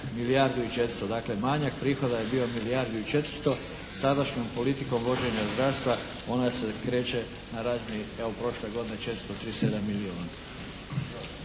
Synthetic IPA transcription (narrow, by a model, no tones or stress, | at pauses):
milijaːɾd̪uit͡ʃet̪ɾst̪od̪aːkle̞maɲakpɾiːxo̞d̪aje̞bio̞milijaːɾd̪uit͡ʃe̞t̪ɾ̥̩st̪o̞ | sad̪aʃɲo̞mpo̞lit̪iko̞mʋo̞d͡ʒe̞ɲazd̪ɾast̪ʋa | o̞nasekɾe̞ːt͡ʃe̞ | naɾaːznieopɾo̞ʃle̞ɡo̞d̪inet͡ʃe̞t̪ɾst̪ot̪ɾiːsed̪amːiliona